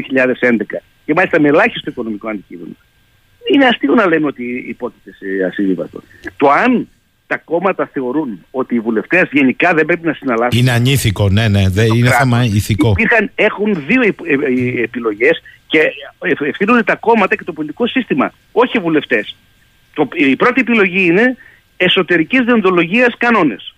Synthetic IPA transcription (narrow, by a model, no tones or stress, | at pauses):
ioçiʎɐðe̞se̞nd̪e̞kɐ | cemɐlist̪ɐmelɐçist̪oiko̞no̞miko̞ɐnd̪icime̞̰no̰ | ineɐst̪io̞nɐle̞nuo̞t̪iːpo̞t̪it̪eseɐ̰sivivɐ̰st̪o̞̰ | t̪o̞ɐn | t̪ɐko̞mɐt̪ɐθe̞o̞ɾuno̞t̪iːvule̞ft̪e̞zʝe̞nikɐðembɾe̞pinɐsinɐlɐsineɐɲiθiko̞neneðeineɾθɐemɐiθikopiɾxɐne̞xunðio̞ieepilo̞ʝe̞sce̞eefθinund̪et̪ɐko̞mɐt̪ɐce̞t̪opo̞lit̪i̥ko̞sist̪imɐ̰ | o̞çivule̞ft̪e̞s | t̪oipɾo̞t̪ie̞pilo̞ʝiine̞ː | so̞t̪e̞ɾicizðiond̪o̞lo̞ʝiɐskɐno̞ne̞s